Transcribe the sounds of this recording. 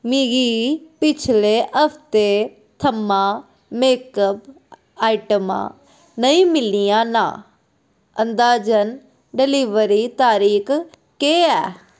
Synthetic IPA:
miɡiːpɪt͡ʃʰleːʔəpʰt̪e | t̪ʰəmãː | meːkəp | aːiʈəmã̰ː | nəĩːmɪliːjãːnã̰ː | ənd̪aːd͡ʒən | ɖɪliːʋəɾiːt̪aːɾiːk | keːɛː

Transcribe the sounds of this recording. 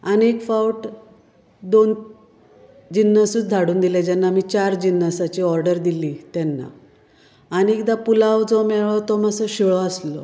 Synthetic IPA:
anekfawʈ | d̪on | d͡ʑinːəsuːt͡sd̪ʱaɽuːnd̪ilad͡ʑɛnːamit͡ɕaɾd͡ʑinːəsat͡ɕiɔɾɖəɾd̪iliːt̪jɛnːa̰ | aniek̚d̪apulawd͡zɔmɛɭɔt̪ɔməsəɕiɭɔəslɔ

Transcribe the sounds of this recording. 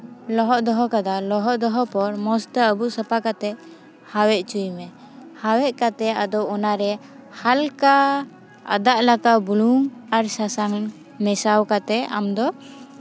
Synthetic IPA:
lɔɦɔʔd̪ɔɦɔkad̪alɔɦɔʔd̪ɔɦɔpɔɾmɔst̪əəbuʔsəpakat̪ɛ | hawɛʔt͡ʃujmɛ | hawɛʔkat̪ɛad̪ɔɔnaɾɛ | halka | a̰d̪aʔlakaʔbuluŋaɾsasaŋ | mɛsawkat̪ɛa̰md̪ɔ

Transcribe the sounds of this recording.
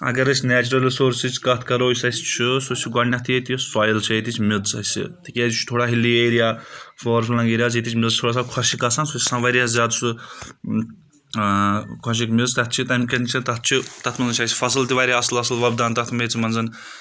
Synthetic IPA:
ɐ̰ɡɐɾɨsʲnɛːt͡ʃuɾɐlisoːɾsit͡ʃʰʲkɐt̪ʰkɐɾoːsʲɐsʲt͡ʃʰisosʲiɡɐɳnʲɐt̪ʰiet̪isaːjɐlt͡ʃʰiet̪it͡ʃʰmid̪t͡sɐ̰sʲḭt̪ikʲaːzʲt͡ʃʰut̪ʰoːɽaːɦilːieːɾijaːfɔːɾflɐ̃ŋɡeːɾijaːz̬it̪it͡ʃʰʲmʲilzt̪ʰoːɽaːs̬aːkʰɐʃikɐsansusʲi̥sãːʋɐɾjaszʲjaːd̪t͡ʃu | kʰɔʃ̬ikmizt̪ɐt̪̚t͡ʃʰit̪ɐmkʲɐnʲt͡ʃʰɐt̪ɐt̪̚ʰt͡ʃʰit̪ɐt̪ʰmɐnzɨt͡ʃʰɐsʲfɐs̬lt̪iʋaɾiɐslɐslʋɐbd̪aːnt̪ɐt̪ʰmeːt͡sʰimɐnzɐn

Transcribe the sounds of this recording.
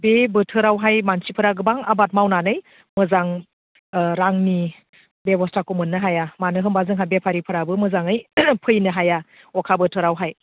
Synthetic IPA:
bebɯtʰɯɾawɦajmansipʰɯɾaɡɯbaŋabat̚mawnanɯj | mɯzaŋ | ɾaŋni | bebɔstʰakomɯnːɯɦajamanɯɦɯmbazɯŋɦabepʰaɾipʰɯɾabɯmɯzaŋɯjpʰɯjnɯɦaja | ɔkʰabɯtʰɯɾawɦaj

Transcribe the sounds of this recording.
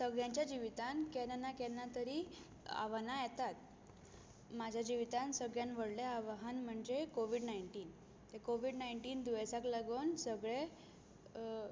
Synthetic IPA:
səɡɭjãɲt͡ɕjad͡ʑiʋit̪ankɛnnakɛnat̪əɾiː | a̰ʋanajɛt̪at̪̚ | mad͡ʑʱjad͡ʑiʋit̪ansəɡɭjanʋəɽleaʋaɦanm̤əɳd͡ʑekoʋ̤iɽnaiɳʈiːn | t̪ekoʋiɖnajɳʈiːnd̪uʋəjsakləɡənsəɡɭe

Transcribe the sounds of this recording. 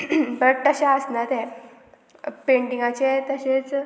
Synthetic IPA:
bəʈt̪əɕaəsnat̪e | pẽɳʈĩŋɡat͡ɕet̪əɕet͡s

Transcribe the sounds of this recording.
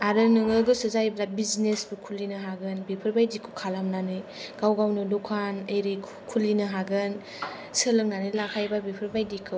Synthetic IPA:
aɾɯnɯŋɯɡɯsɯzajblat̚biznesbɯkʰulinɯɦaɡɯnbipʰɯɾbajdikʰɯkʰalamnanɯjɡ̥awɡawnɯdukʰanəjɾɯkʰ | kʰulinɯɦaɡɯn | səlɯk̚nanɯjlakʰajbabipʰɯɾbajdikʰɯ

